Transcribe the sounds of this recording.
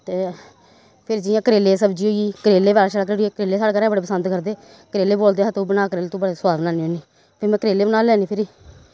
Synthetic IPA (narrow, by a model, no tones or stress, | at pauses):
t̪eː | pʰɪɾd͡ʒɪjãːkəɾeːleːsəbd͡ʒiːɦoːiːkəɾeːleːbaːɾaːʃaɽkəɾeːikəɾeːlːeːsaːɽeːkəɾɛːbəɽeːpəsənd̪kəɾd̪eː | kəɾeːleːboːld̪eːɦat̪obənaːkəɾeːleːt̪õːbəɽeːsʊaːd̪naːneɛːniː | pʰɪɾmɛ̃ːkəɾeːleːbənaːlɛːniːpʰɪɾiː